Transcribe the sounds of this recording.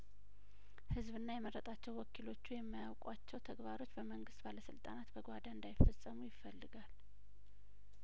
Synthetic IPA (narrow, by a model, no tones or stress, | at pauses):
hɨzβɨnːajɛməɾːət̪ʼat͡ʃːɛwwɔkʰilo̞t͡ʃːujɛmːajawkʼwat͡ʃːɛwt̪ʰəɡbaɾo̞t͡ʃːbəməŋɡɨst̪baləsɨlt̪ʼanat̪bəɡʷad̪aɨnd̪ajɪfːəsʼːəmujɪfːəlːɨɡal